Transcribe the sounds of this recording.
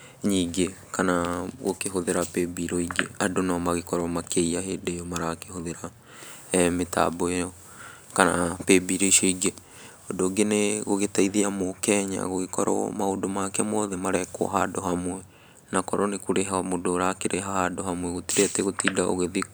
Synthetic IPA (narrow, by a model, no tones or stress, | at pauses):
ɲiːɡekanaɣokeɦoðeɾapebiɾɔiɡeadonamaɣekɔɾɔmakeiaɦeːdejɔmaɾakehoðeɾa | meta̰boejɔ | kanapebiɾeʃoiɡe | odoːɡeneɣoɣetaiðeamokɛɲa̰ɣoɣekɔɾɔ̰maodomakɛmɔðɛmaɾɛkwɔ̰ɦadohamwɛ | nakɔɾɔnekoɾɛɦamodoɾakeɾʔɛɦahadohamwɛɣotiɾɛtɛɣotiːdaʔo̰ɣeði